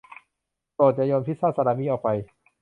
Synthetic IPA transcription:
poː˨˩t̪̚jaː˧joː˧npʰi˦˥t̪saː˥˩sa˧ɾaː˧˦miː˧˥ʔɔː˨˩pa˧j

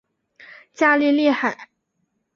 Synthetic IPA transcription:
t͡ɕja˥˧li˥˧li˥˩xa˨˩˦ɪ

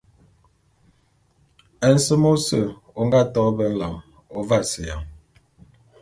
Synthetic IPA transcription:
ɛ˨n̩˦sə˦mo˦sə˨ | o˨ŋɡa˦tɔː˨˦bɛ˦ŋ˦la˨ŋ | o˨va˦˨si˨ja̰˨ŋ

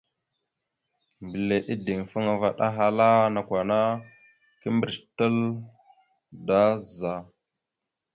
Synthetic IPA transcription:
mbə˨le˨ʔi˦di˨ŋfu˦ŋa˨va̰˨ɗa˦ɦa˦la˦na˨kʷa˨na˦ | ki˦mbə˨ɾtə˦l | da˦za˨

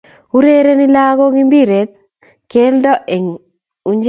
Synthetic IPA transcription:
u˦ɾe˦ɾe˦nɪ˦la˦ɡo˦ɡi˦mbi˦ɾe˨t̪̚ | ke˦ldɔ˦ʔe˨ŋ | u˨ɲd͡ʒ

